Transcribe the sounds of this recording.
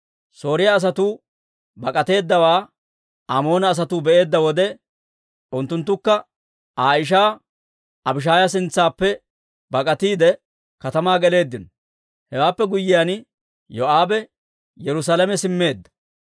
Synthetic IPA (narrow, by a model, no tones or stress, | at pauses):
so̞ːɾɪjɐːs̬ɐt̪uː | bɐkʼɐt̪e̞ːd̪ːɐwaː | ʔamo̞ːnɐːs̬ɐt̪uːbɛʔe̞ːd̪ːɐwɔd̪ɛ | ʔʊnt̪ːʊnt̪ːʊkːɐ | aːjɪʃ̬aː | ɐbɪʃ̬aːjɐs̬ɪnt͡sːaːpːɛ | bɐkʼɐt̪iːd̪ɛ | kɐt̪ɐmaːɡɛle̞ːd̪ːɪnɔ | hɛwaːpːɛɡʊjːɪjan | joʔaːbɛ | jɛɾʊs̬aːlɐmɛsɪmːe̞ːd̪ːɐ̥